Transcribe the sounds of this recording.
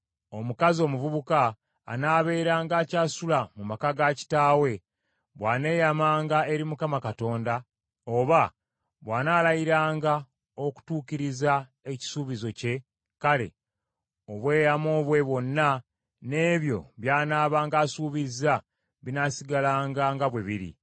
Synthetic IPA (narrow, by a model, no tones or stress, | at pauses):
o̞mukazio̞muvuβuka̰ː | naːβe̞ːɾaːŋɡaːcaːsulamumakaɡaci̥taːwe̞ | βwaːne̞ːjamaːŋɡae̞ɾimukamakato̞ːnda | o̞βa | βwaːnaːlajiɾaːŋɡa | o̞ku̥tuːkiɾiza | e̞ci̥suːβizo̞ce̞ | kale̞̰ | oβwe̞ːjamo̞ːβwe̞βwo̞nːa | ne̞ːβjo̞̰βjaːnaːβaːŋɡaːsuːβiza | βinasiɡalaːŋɡaŋɡaβweβiɾḭ